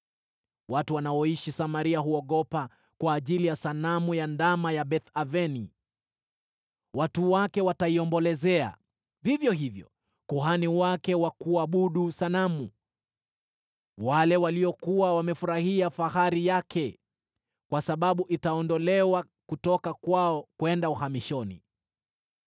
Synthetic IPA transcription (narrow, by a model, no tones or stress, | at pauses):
watuwanaɔiʃisamaɾiaɦuɔɠɔpa | kwaːʄilijasanamujandamajaɓɛθavɛni | watuwakɛwataiɔmbɔlɛzɛa̰ | vivjɔɦivjɔ̰ | kuɦaniwakɛwakuaɓuɗusanamu | walɛwaliɔkuwawamɛfuɾahiafahaɾijakʰɛ | kwasaɓaɓuʔitaɔndɔlɛwa | kutɔkakwaɔkwɛndauhamiʃɔnḭ